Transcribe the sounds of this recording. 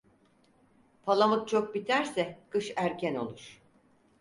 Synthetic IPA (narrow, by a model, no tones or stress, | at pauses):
pʰalˠamɯk̪̚t͡ʃʰok̚bit̪ʰæɾsɛkɯʃæɾcʰæno̞̰lˠuɾ̥